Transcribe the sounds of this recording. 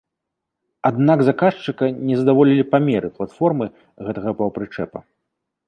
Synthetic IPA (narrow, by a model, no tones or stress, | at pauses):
ad̪naɡzakaʂt͡ʂɨkɐnʲɛzɐd̪avɔlʲilʲipamʲɛɾɨplˠat̪fɔrmɨ | ɣɛt̪ɐɣɐpɐwpɾɨt͡ʂɛ̰pɐ̰